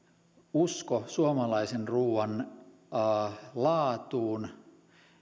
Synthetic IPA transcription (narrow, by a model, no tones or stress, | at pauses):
uskosuomɑlɑisenruːʋɑnː | lɑːt̪uːn